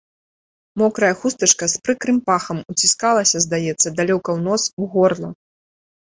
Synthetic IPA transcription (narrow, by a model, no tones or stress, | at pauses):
mɔkɾɐjɐxust̪ɐt͡ʂkɐspɾɨkɾɨmpaxɐmut͡sʲiskalˠɐsʲɐzd̪ajɛt̪sːɐd̪alʲɔkɐwnɔsuɣɔrlˠɐ